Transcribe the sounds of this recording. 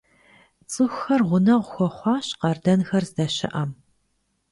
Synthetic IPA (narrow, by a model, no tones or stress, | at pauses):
t͡sʼɨxʷxɐrʁʷʊnɐʁʷʊxʷɔχʷɑːɕqɐrdɐnxɐrzdɐʃɪ̰ʔɐm